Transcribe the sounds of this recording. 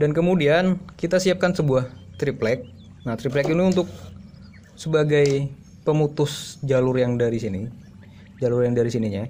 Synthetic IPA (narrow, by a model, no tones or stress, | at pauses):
dankəmudiankit̪asiap̚kansəbuaht̪ɾiplɛk̚ | nat̪ɾiplɛkiniunt̪ʊk̚ | səbaɡaj | pəmut̪ʊsd͡ʒalʊrjaŋdaɾisini | d͡ʒalʊrjaŋdaɾisiniɲa